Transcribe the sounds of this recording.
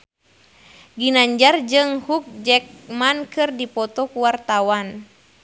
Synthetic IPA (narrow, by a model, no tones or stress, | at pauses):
ɡinaɲd͡ʒard͡ʒɨŋhuk̚d͡ʒɛk̚mankɨrdipɔt̪ɔkuwart̪awan